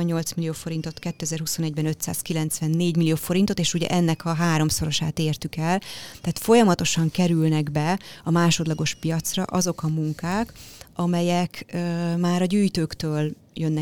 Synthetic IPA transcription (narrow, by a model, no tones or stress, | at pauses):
ɛɲːo̞lt̪smilioːfo̞ɾint̪o̞t̪kɛt̪ːøɛzɛrɦuso̞nɛɟbɛnø̞t̪sa̰ːskilɛnt̪sʋɛnːeːɟmilːijoːfo̞ɾint̪o̞t̪eːʃuɟɛ̰ʔɛnːɛkʰɒɦaːɾo̞mso̞ɾo̞ʃaːt̪eːrt̪ykɛlt̪ɛːt̪fo̞jɒmɒt̪o̞ʃɒŋkɛɾylnɛɡbɛɒmaːʃo̞d̪lɒɡo̞ʃpijɒt̪srɒ̰ʔɒzo̞kɒmuŋkaːkɒmɛjɛkːmaːɾɒɟyːjt̪øːkt̪øːl | jønːɛ